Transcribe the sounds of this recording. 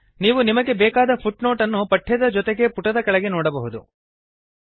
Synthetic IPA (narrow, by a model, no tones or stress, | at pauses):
niːʋunimɐɡe̞bɛːkaːd̪ɐpʰuʈno̞ːʈɐnːupɐʈʰːɛd̪ɐd͡ʒɔt̪eɡe̞puʈɐd̪ɐkɐɭɛɡe̞noːɽɐbɐɦud̪u